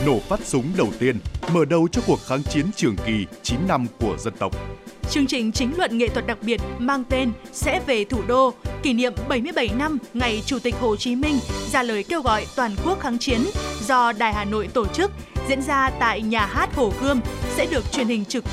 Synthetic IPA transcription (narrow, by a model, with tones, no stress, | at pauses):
no˧˩faː˦˥t̚sʊ˨˦ŋ͡mɗə˨˩wt̪i˧ənməː˧˩ɗə˧˩wt͡ɕɔ˧ku˨˩ək̚xaː˨˦ŋt͡ɕi˨˦ənt͡ɕɨ˨˩əŋki˨˩t͡ɕi˨˦nːa˧mku˧˩əzə˧nt̪ə˨˩wk͡p̚t͡ɕɨ˧əŋt͡ɕï˨˩ŋ̟t͡ɕï˨˦ŋ̟lwə̰˧˨nŋḛ˧˨t̪wə˨˩t̚ɗa˨˩k̚ɓi˨˩ət̚maː˧ŋt̪e˧nsɛ̰˧˥ve˨˩t̪ʰu˧˩ɗo˧ki˧˩nḭ˧˨əmɓə˧˩jmɨ˧əjɓə˧˩jna˧mŋa˨˩jt͡ɕu˧˩t̪ï˨˩k̟̚ho˨˩t͡ɕi˨˦mï˧ŋ̟zaː˧˩ləː˨˩jke˧wɣɔ̰˧˨jt̪waː˨˩nku˦˥ək̚xaː˨˦ŋt͡ɕi˨˦ənzɔ˧ɗaː˨˩jɦaː˨˩no̰˧˨jt̪o˧˩t͡ɕɨ˦˥k̚ | zḭ˧˥ənzaː˧t̪a̰ː˧˨jɲaː˨˩ɦaː˦˥t̚ho˧˩ɣɨ˧əmsɛ̰˧˥ɗɨ˨˩ək̚t͡ɕwi˨˩ənhï˨˩ŋ̟t͡ɕɨ˨˩